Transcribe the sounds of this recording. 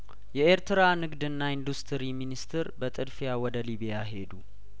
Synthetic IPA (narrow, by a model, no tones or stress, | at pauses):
jɛeɾt̪ʰɨɾanɨɡd̪ɨnːaind̪ust̪ʰɨɾiminist̪ʰɨɾbət̪ʼɨd̪fijawɔd̪əliβijaɦe̞d̪u